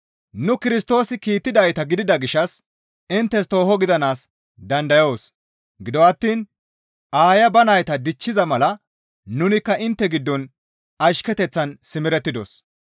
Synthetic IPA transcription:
nʊkɪɾɪst̪o̞ːsɪkiːt̪ːɪd̪ɐjt̪ɐɡɪd̪ɪd̪ɐɡɪʃɐs | ɪnt̪ːɛst̪o̞ːɦɔɡɪd̪ɐnaːs | d̪ɐnd̪ɐjo̞ːs | ɡɪd̪ɔwɐt̪ːiːn | ʔaːjɐbɐnɐjt̪ɐd̪ɪt͡ʃːɪzɐmɐlɐ | nʊnɪkːɐʔɪnt̪ːɛɡɪd̪ːɔn | ɐʃkɛt̪ɛt͡sːɐnsɪmɪɾɛt̪ːɪd̪o̰s

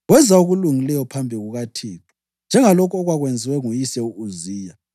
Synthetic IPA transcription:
ɣwɛzauɣuluŋilɛjɔpʰambʱiɣuɣatʰiːtʰɔ̥ | nd͡ʒʱɛŋalɔkʰɔɣwaɣwend͡zʱiwɛŋujisɛuʔuziːja

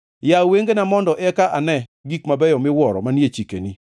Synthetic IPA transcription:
jaweŋɡenamɔndɔʔɛkaʔanɛɡikmabɛjɔmɪwɔɾɔ̰manjet͡ʃikeni

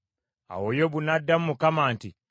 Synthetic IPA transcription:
a̰wojoβunadːamumukamaːnti

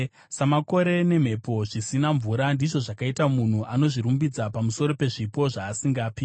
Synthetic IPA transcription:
samako̞ɾe̞ne̞m̤e̞po̞ʐisinaɱvuɾandiʐo̞ʐakaitamun̤uʔano̞ʐiɾumbid͡zapamuso̞ɾo̞pe̞ʐipo̞ʐaːsiŋɡaːpi

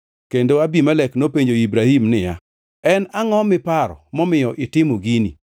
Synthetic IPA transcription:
kendoabimalɛknopeɲd͡ʒoibɾahimnɪja̰ | ɛnaŋɔmɪpaɾɔ̰mɔmɪjɔʔɪtɪmoɡini

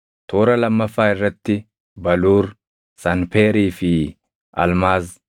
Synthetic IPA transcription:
t̪ʰo̞ːɾɐlɐmːɐfːaːɪrːɐt̪ːɪ | bɐluːɾ | sɐnfeːɾiːfɪ | ɐ̰lmaːz

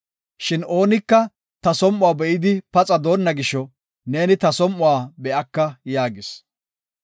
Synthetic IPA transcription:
ʃɪno̞ːnɪkːɐ | t̪ɐsɔmʔʊwaːbɛʔɪd̪ɪpɐt͡sʼɐd̪o̞ːnːɐɡɪʃːɔ | ne̞ːnɪt̪ɐsɔmːʊwaːbɛʔɐkːɐjaːɡɪs

